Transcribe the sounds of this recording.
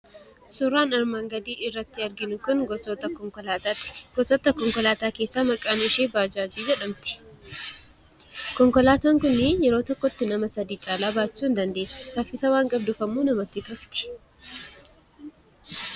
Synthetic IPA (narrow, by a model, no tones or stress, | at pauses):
sʊrːaːnɐɾmaːŋɡɐd̪iːɪrːɐt̪ːɪɐɾɡɪnʊkʊnɡɔsɔt̪ɐkɔŋkɔlaːt̪at̪ɪ̥ɡ̥ɔsɔt̪ːɐkɔŋkɔlaːt̪aːke̞ːsːaːmɐkʼaːnɪʃeːbaːd͡ʒaːd͡ʒiːd͡ʒɛᶑɐmt̪ɪ̥ | kɔŋkɔlaːt̪aːŋkʊnːɪjɛɾo̞ːt̪ɔkːɔt̪ːɪnɐmɐsɐd̪iːt͡ʃʼaːlaːbaːt͡ʃːuːnd̪ɐnd̪e̞ːsʊ̥sɐfːɪsɐwaːŋkʼɐb̚d̪ʊfɐmuːnɐmɐt̪ːɪt̪ʊft̪ɪ̥